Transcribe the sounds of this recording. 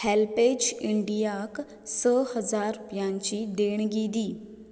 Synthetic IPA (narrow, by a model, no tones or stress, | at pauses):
hɛlped͡ʒiɳɖijak | səhəzaːɾpjãɲt͡ʃid̪eːɳ̃ɡiːd̪iː